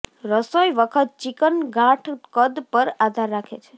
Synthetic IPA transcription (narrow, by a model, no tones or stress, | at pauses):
ɾəsojʋəkʰət̪̚t͡ʃikənɡãʈʰkəd̪pəɾad̪ʱaɾːakʰḛt͡ʃʰe̥